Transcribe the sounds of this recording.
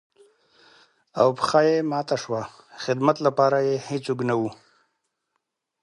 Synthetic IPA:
awpxajemɑːt̪aʂwa | xɪd̪mat̪lapɑːɾajehit͡suɡnawu

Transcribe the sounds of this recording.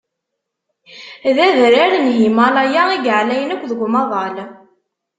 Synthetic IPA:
ðæðɾaɾnɦimɑlˤæjaiɡʕlæjənækʷːðəɡʷmɑðˤɑl

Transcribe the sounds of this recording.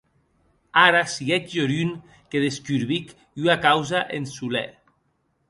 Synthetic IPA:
aɾasiɣɛt͡ʃʎoɾyn | keðeskyɾβik | yakawzaʔensulɛ̰

